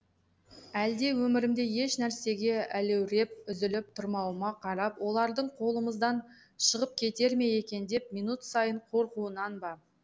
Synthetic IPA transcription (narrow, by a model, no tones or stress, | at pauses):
æld̪e̞wɵmɪɾɪmd̪e̞je̞ʃnæɾse̞ɡʲe̞ælewɾe̞p̚ʏzɪlɪp̚t̪ʰʊɾmɑw̪ˠmɑqʰɑɾɑpwo̞lˠɑɾd̪əɴqʰo̞lˠəməzd̪ɑn | ʃəʁəp̚kʲʰe̞t̪e̞ɾme̞je̞kʲe̞nd̪e̞pmijnut̪sɑjəɴqʰo̞ɾquənɑnbɑ